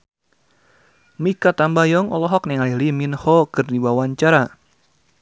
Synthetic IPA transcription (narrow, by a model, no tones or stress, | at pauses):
mikat̪ambajɔŋɔlɔɦɔk̚nɛŋaliliminhɔkɨrdiwawaɲt͡ʃaɾa